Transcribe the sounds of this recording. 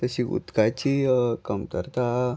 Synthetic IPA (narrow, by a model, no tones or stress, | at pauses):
t̪əɕiṵt̪kat͡ɕikəmkəɾt̪a